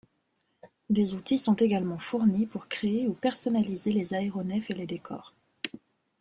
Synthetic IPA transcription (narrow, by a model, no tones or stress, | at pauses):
d̪ezut̪isɔ̃t̪eɡalmɑ̃fuʁnipuʁkχeeupɛʁsɔnalizelezaeʁɔnɛfeled̪ekʰɔ̰ːʁ